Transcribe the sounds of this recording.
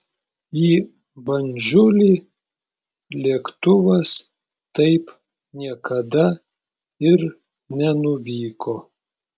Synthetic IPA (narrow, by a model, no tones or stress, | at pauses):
iː | bɐnʲd͡ʒʲʊlʲiː | lʲiɛkt̪ʊʋɐs | t̪ɐɪp | nʲiɛkɐd̪ɐ | ɪɾ | nʲɛnʊʋʲiːkoː